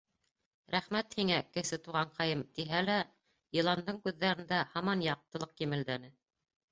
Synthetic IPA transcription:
ɾæχmæt̪hiŋækɘ̆sɘt̪uʁɑɴqɑjɤmt̪iɦælæ | jɤ̆lˠɑnd̪ɤɴkʉðːæɾɘ̆nd̪æhɑmɑnjɑq̚t̪ɤ̆lˠɤq̚kimɘ̆ld̪ænɘ

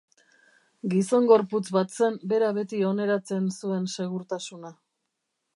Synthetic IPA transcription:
ɡiso̞ŋɡo̞ɾput͡sβat̪se̞mbe̞ɾaβe̞t̪io̞ne̞ɾat͡se̞nsue̞nse̞ɣ̞uɾt̪asuna

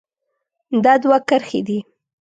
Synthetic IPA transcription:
d̪ɑd̪wakəɾxḛd̪i

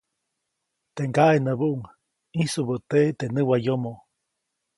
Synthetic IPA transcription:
t̪eŋɡaʔenəbuʔuŋ | ĩsubət̪eʔt̪enɨwajomoʔ

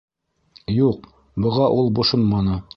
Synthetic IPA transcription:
juq̚ | bŏʁɑʔulˠbŏʃonmɑnɤ

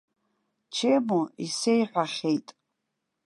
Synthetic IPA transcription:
t͡ʃʰemuise̞jħʷᶣaχʲejtʼ

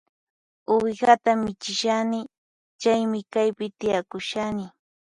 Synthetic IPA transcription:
ʊwɪɢat̪amɪt͡ʃɪʃanɪ | t͡ʃajmɪkajpɪt̪ɪjakʊʃanɪ

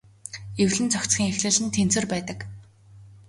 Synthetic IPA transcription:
ewɮɘ̆nt͡sʰɔkt͡sxʲiːŋexɮɘ̆ɮɘ̆nt̪ʰen̥t͡sɘ̆rpæːt̪ə̆k

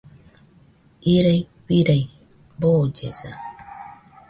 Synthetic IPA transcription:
iɾaj | piɾaj | boːd͡ʒḛsa

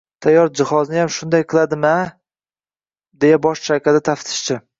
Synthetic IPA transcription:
t̪ʰajːɒɾd͡ʒɪhɒznɪjamʃʊnd̪ajqʰɨlˠad̪ɪma | d̪e̞jabɒʃʃakʲʰad̪at̪ʰaft̪ʰɪ̥ʃt͡ʃɪ

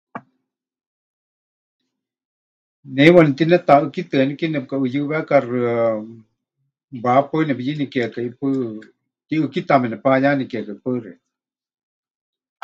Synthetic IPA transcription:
newanit̪inɛt̪aɨkit̪ɨnikinɛp̚kaɨjɨβɛkarɨ | bapənɛpjinikekaipɨ | iɨkit̪amɛnɛpajanikkapɨɾe

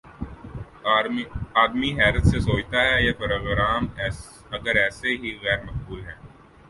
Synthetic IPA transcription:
aːd̪miɦɛːɾət̪sesoːt͡ʃt̪aɦɛjepɾoːɡɾaːmː | ɐɡəɾɛːseɦiɣɛːɾmɐqbuːlɦɛ̃ː

